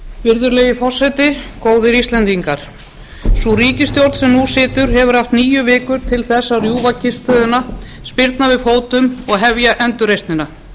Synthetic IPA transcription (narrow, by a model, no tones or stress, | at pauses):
vɪɾðʏɾleːjɪfɔr̥sːɛjt̪ɪkoːwðɪɾist̪lɛnt̪iŋkaɾ̥ | suriːcɪst̪jowɾt̪sɛmnusɪːt̪ʏɾ̥ɦɛvʏɾaft̪niːjʏvɪːkʏɾ̥t̪ʰɪlθɛsːarjuːvacʰɪst̪œːðʏna | spɪɾt̪navɪðfoːwt̪ʏmɔɣɦɛvjaʔɛnt̪ʏrejst̪nɪna